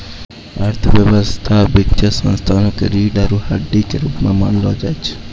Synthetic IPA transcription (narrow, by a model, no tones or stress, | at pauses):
aɾt̪ʰəʋjəʋəst̪ʰabikʃʰəsə̰̃nst̪ʰanokɾiɖaɾuhaɖit͡ʃeɾupmã̰məɳlod͡ʒajt͡ʃʰe̥